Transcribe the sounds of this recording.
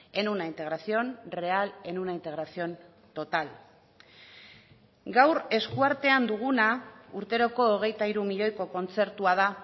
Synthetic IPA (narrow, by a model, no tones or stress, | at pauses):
e̞nunaint̪e̞ɣɾasio̞nre̞ale̞nunaint̪e̞ɣ̞ɾasio̞n | t̪ot̪al | ɡawɾe̞skuaɾt̪e̞and̪uɣ̞unauɾt̪e̞ɾo̞ko̞ːɣ̞e̞jt̪aiɾumiʎo̞jko̞ko̞nt͡se̞ɾt̪uaða